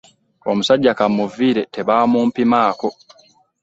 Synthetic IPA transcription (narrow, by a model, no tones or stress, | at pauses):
kɔ̰m̩sad͡ʒːakamːɔviɾɛtʰɛbaːmɔmpimaːkɔ